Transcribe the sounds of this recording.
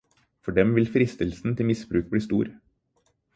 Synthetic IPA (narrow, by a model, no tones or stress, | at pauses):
fɔɖɛmʋɪlfɾɪst̪əlsn̩t̪ʰɪlmɪsbɾʉːk̚bɽiːst̪ṵːɾ